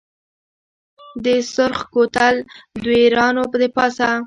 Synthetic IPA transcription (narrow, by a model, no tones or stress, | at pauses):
d̪əsʊɾxkot̪ald̪weɾɑnopəd̪əpɑsa